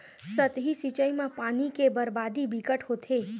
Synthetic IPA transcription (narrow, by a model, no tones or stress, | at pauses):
sət̪ɦisit͡ʃəimẽpaːnikebəɾbaːd̪ibikəʈɦot̪ʰeː